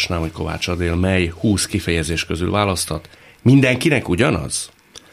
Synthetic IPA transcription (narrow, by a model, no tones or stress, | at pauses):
ʃnaːmhocko̞va̰ːt͡ʃɒd̪eːlmɛjhuːskifɛjɛzeːʃkøzy̰lvaːlɒst̪hɒt̪ | mind̪ɛŋkinɛkuɟɒnɒ̰z̥